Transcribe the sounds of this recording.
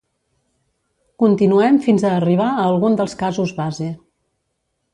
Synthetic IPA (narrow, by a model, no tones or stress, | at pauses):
kunt̪inuɛmfinzəːriβ̞aəːlˠɣund̪əlˠskazuzβaze